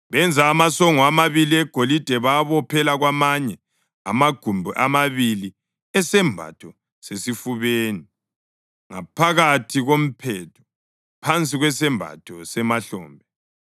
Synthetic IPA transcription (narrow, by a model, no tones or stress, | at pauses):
βɛnd͡zʱaːmasɔŋɔamaβiliɛɡ̥ʱolid̥ʱɛβaβɔpʰɛlaɣwamaɲɛ | a̰maɡ̥ʱumbʱuʔamaβili | ɛsɛmbʱa̰tʰɔ | sesifuβeːni | ŋa̰pʰaɣatʰiɣom̩pʰɛtʰɔ̥ | pʰant͡sʼiɣwɛsɛmbʱa̰tʰɔsɛmaɬɔ̰ːmbʱɛ